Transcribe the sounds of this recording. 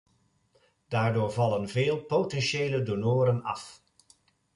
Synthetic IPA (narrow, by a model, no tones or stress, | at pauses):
d̥aːɹdoːɹvɑlənveːlˠpotɛnʃeːlədonoːɾənɑ̰f